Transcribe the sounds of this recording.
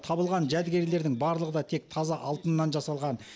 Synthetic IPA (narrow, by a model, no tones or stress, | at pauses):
t̪ʰɑbəlˠʁɑnʒæd̪ɡʲe̞ɾle̞ɾd̪ɪŋbɑɾlˠəʁəd̪ɑt̪ʰe̞k̚t̪ʰɑzɑʔɑlˠt̪ənːɑnʒɑsɑlˠʁɑn